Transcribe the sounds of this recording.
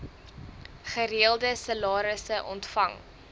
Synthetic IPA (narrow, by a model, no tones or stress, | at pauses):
χəɾiəlˠdəsəlɑːɾəsəʔɔ̰ntfɐŋ